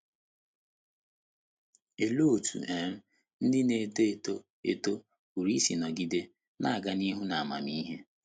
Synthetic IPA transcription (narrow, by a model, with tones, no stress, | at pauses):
e˨lo˦˨tṵ˨e˨ɾ̩˦ | n̩˦dɪ˦ne˨do˦e˨to˦ | ḛ˦to˦ | u˨ɾi˦si˨nɔ˨ɡi˦de˦ | na˦˨a˨ɡa˨ni˦ɦu˦na˨a˨ma̰˨mi˦ɦe˦